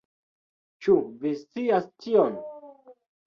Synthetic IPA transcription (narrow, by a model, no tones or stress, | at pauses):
t͡ʃuvist͡siast͡ʃion